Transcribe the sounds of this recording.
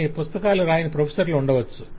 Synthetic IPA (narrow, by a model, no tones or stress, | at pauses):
ipust̪ɐkaːluɾaːjinipɾɐpʰesɐɾluuɳɖɐʋɐt͡ʃːu